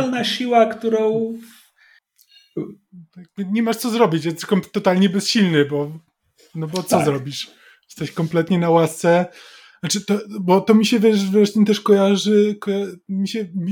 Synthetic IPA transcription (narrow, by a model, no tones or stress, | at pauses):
lnaɕiwakt̪uɾɔ̃w̃ | ɡbɲɛmaʂt̪sɔzɾɔbʲit͡ɕjɛst̪ɛkɔmt̪ːɔt̪alɲɛbɛsɕilnɘbɔ | nɔbɔt̪sɔzɾɔbʲiʂ | st̪aɕkɔmplɛt̪ɲɛnawast̪sɛ | nat͡ʂɘt̪ɔbɔt̪ɔmʲiɕɛvɛʂvɾɛʂt̪ɛmt̪ɛʂkɔjaʐɘkɔjamʲiɕɛmʲi